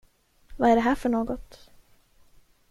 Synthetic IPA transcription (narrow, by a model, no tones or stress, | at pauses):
vaæɖɛɦæːɾfœɳoːɡɔt̪